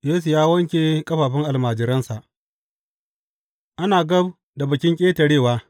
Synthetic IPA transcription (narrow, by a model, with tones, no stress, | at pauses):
jeː˦s̬u˨jaː˦wɐ˦ŋkʲeː˨kʼɐ˦ɸaː˨ɸɪ˦ŋʔa˨lmaː˨d͡ʒɪ˨ɾɐ˦nsa˨ʔ | ʔa˦naː˨ɡɐ˦b | da˨bɐ˨kʲɪ˦ŋkʲʼeː˦tɐ˨ɽeː˦˨waː˦